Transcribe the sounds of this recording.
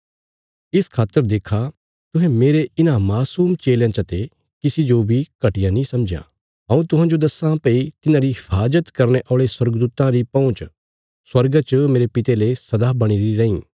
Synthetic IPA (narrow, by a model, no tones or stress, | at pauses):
ɪskʰaːt̪ːəɾd̪eːkʰa | t̪ʊɦɛ̃meːɾeɪnãmaːsuːmt͡ʃeːljãt͡ʃɐt̪e | kɪsid͡ʒobʱikɐʈɪjãnĩsɐmd͡ʒjã̰ | ɦɐ̃ːũt̪ʊɦãːd͡ʒod̪ɐsãpɐit̪ɪnãɾiɦɪpʰaːd͡ʒət̪kɐɾneʔɔːɭeswɐɾɡd̪uːt̪ãɾipɐ̃ʊ̃t͡ʃ | swɐɾɡat͡ʃəmeːɾepɪt̪elesɐd̪aːbɐɽ̃iɾiɾɐĩː